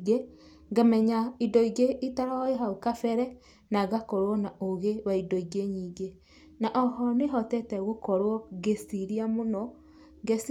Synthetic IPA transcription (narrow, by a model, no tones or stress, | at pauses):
ɡe | ŋɡamɛɲaidɔiɡeʔitaɾaeɦaokafɛɾɛ | naɣakɔɾwɔnaoɣewaidɔiɡeɲiːɡe | naʔɔhɔneɦɔtɛtɛɣokɔɾwɔɡesiɾiamonɔ | ɡes